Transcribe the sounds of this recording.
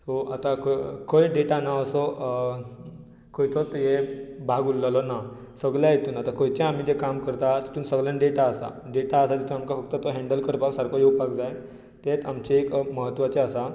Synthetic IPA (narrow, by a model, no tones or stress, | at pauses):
soat̪akkəjɖeʈanaəsɔ | kəjt̪ot̪ɦebʱaɡulːalɔna | səɡljajet̪uːnat̪akəjt͡ɕẽam̤id͡ʑekamkəɾt̪at̪i̥t̪uːnsəɡljãnɖeʈaəsa̰ | ɖeʈaəsat̪it̪ũnamkafək̚t̪ət̪oɦɛ̃ɳɖəlkəɾpaksaɾkojepakd͡zaj | t̪et͡samt͡ɕeekməɦət̪ːʋat͡ɕeəsa